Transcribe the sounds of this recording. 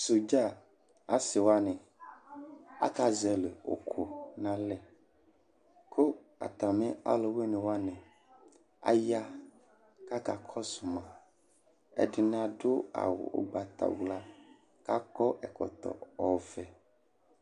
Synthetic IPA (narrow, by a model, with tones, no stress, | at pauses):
su˨d͡ʒa˦˨ | a˦si˨wa˦nɛ̃˨ | a̰˦ka˦zɛ˨le˨o̰˨kʰo˨nã˦lɛ˦ | kʰo˦ | a̰˨t̪a˨mɛ̃˦a̰˦lo˨we˦nẽ˨wa˦nɛ̃˨ | a̰˦ja˦ | ka˦ka˨kʰɔ˦su˨mã˨ | ɛ̰˦ɖi˨nã˦ɖo˦a̰˨wo̰˨o̰˨ɡ͡ba˨t̪a̰˨wla˦ | ka˦kɔ˦ʔɛ˨kɔ̰˨t̪ɔ̰˨ɔ˨vɛ˨